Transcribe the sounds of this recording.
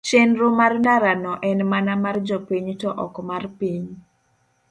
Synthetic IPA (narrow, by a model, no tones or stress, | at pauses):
t͡ʃenɾomarndaɾanɔʔɛnmanamard͡ʒɔpiɲtɔʔɔkmarpiɲ